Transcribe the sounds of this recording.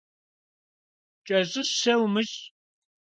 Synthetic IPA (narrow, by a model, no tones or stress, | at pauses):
t͡ʃʼɐzɨsɐwmɨɕ